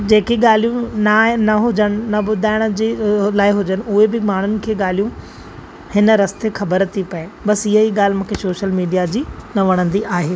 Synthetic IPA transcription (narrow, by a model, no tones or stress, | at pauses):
d͡ʑeːkeɠaːl̤ijũnanɐɦʊd͡ʑəɽ̃ɪ̆nɐɓʊd̪ʱaːɪɽ̃ʊd͡ʑeːlaːɪɦʊd͡ʑənɪ̆ʊɦebɪmaːɳ̤ʊnɪ̆kʰeːɠaːl̤ijũ | hɪnə̆ɾɐst̪exɐbəɾt̪ʰipɐebɐsɪɦeiːɠaːl̤ɪmũːkʰesoːʃəlmiːɖijad͡ʑiːnɐʋɐɽ̃ə̃nd̪iʔaːɦeː